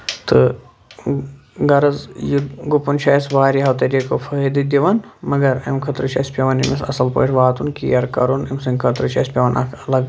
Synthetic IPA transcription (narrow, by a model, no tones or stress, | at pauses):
t̪ɨ | ɡɐɾɐzjiɡupunt͡ʃʰɐːsʋaːɾiɦɐwt̪ɐɾʲikofʰɐid̪id̪iʋɐnmɐɡɐɾɐ̰mkʰɐt̪ɾɨt͡ʃʰɐ̰spʲɐʋɐnḭmisɐ̰sɐlpo̰ːʈʰʋaːt̪unkḭːjɐɾkɐɾunimsiŋɡkʰɐt̪ɾɨt͡ʃʰɐ̰spʲɐʋɐnʔɐ̰kʰɐlɐɡ